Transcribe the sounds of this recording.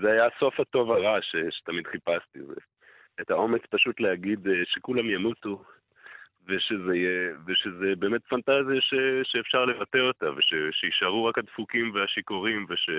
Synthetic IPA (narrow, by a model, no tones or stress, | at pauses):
zeajaso̞fhato̞vaʁaʃeʃe̥tamid̪χipast̪izḛ | ethao̞me̞t͡spaʃut̪leaɡid̪ʃe̞kulamjamutu | veʃe̞zejeveʃezebe̞ːme̞tfantazijaʃeʃeːfʃaʁle̞vate̞o̞taveʃeʃeiʃaʁuʁakhadfukimveaʃikoʁimveʃe